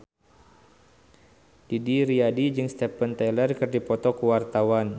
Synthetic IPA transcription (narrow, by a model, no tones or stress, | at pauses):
d̥idiɾiadid͡ʒɨŋst̪ɛpənt̪ɛlərkɨrdipɔt̪ɔkuwart̪awan